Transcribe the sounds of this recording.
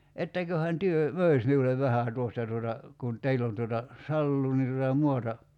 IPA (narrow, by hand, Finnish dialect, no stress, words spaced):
etːækøhæn tyø møˑis miuleʋ ʋæhæˑ tuostɑ tuotɑ kun teilː on tuotɑ sɑlːuː ni tutɑ muɑtɑ